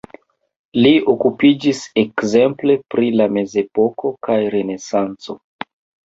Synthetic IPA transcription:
liokupid͡ʒise̞kze̞mple̞pɾilame̞ze̞po̞kʰo̞kajɾe̞ne̞sant͡so̞

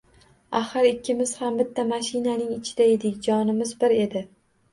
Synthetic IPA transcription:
aχɪɾɪkʲʰːɪmɪz̥hambɪt̪ʰːamaʃɪnanɪŋɪt͡ʃʰɪd̪ae̞d̪ɪkʲd͡ʒɒnɪmɪzbɪɾe̞d̪ɪ

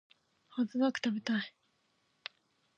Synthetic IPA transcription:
hazɨnakɯ̥t̪abe̞t̪ai

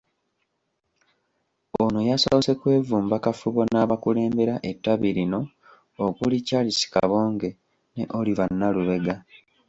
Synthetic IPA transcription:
onojasoβse̞kwe̞ːvuːmbakafuβo̞naːβakule̞ːmbe̞ɾaʔe̞tːaβiɾino̞ː | kulicalisi̥ka̰βo̞ːŋɡe̞ | ne̞̰ʔo̞liβanːaluβe̞ɡa

